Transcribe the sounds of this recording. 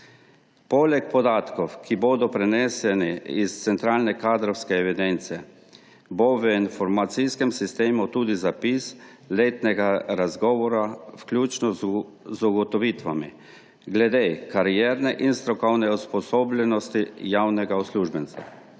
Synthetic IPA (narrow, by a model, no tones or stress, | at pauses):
poːlɛk̚pɔd̪aːt̪kɔwkʰiboːd̪ɔpɾɛnɛsɛniist̪sɛnt̪ɾaːlnɛkaːd̪ɾɔwskɛɛʋid̪ɛnt̪siɛ | boʋəinfɔɾmat̪siskɛmsist̪eːmut̪uːd̪izapis | leːt̪nɛɡaɾazɡɔːʋɔɾawklʲuːt͡ʃnɔ | zuɡɔt̪ɔʋiːt̪ʋami | ɡlɛd̪ekaɾijɛːɾnɛʔinst̪ɾɔkɔwnɛuspɔsoːblɛnɔst̪ijawnɛɡaɔsluːʒbɛnt̪a̰